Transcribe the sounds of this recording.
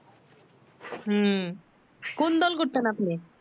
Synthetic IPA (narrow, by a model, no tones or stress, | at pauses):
kond̪ɔlɡoʈt̪enapni